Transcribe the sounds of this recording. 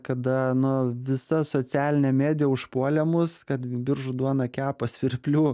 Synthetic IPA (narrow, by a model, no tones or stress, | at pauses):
kɐd̪ɐnʊʋʲɪsɐsoːt͡s̪ʲæːlʲɪnʲɛmʲæːd̪ʲɪjɛʊʃpuɔlʲɛmʊskɐt̪bʲɪɾʒʊd̪uɔnɐkʲæːpoːsʋʲɪrʲpʲlʲuː